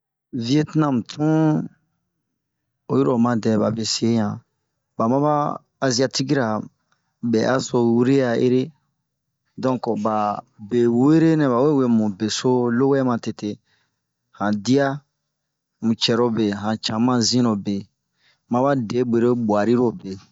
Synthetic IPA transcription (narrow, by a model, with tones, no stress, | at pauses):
vi˦e˦tnã˦m̩˨tʰũ˦ | o˨˦ji˦ɾo˨mã˨dɛ˨ba̰˨be˨sẽ˦ã˨ | ba˨mã˦baː˦˨ | zi˦a˧ti˦ki˦ɾa˨ | bɛ˨ʔa˦so˧wi˦ɾe˦ja˨ḛ˦ɾe˦ | dɔ̃˦ŋkba˨ | be˨we˦ɾe˦nɛ̃˨βa˨we˦we˦mũ˨be˨so˦lo˦wɛ˦mã˨te˨te˨ | hã˨di˦a˦ | mũ˨t͡ʃɛ˨ɾo˦be˨ɦã˨t͡ʃã˨mã˦zĩ˦ɾo˨be˨ | mã˦ba˦de˨˦be˨ɾe˦bwa˨ɾi˦ɾo˨be˨